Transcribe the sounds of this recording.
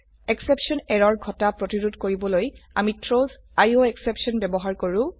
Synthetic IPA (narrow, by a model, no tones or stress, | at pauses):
ɛksepsɔnɛɹɔɹɡʱɔtapɹotiɹudʱkoɹibɔloja̰mitʰɹoz | ajoɛksepsɔnbɛbɔɦaɹkoɹʊ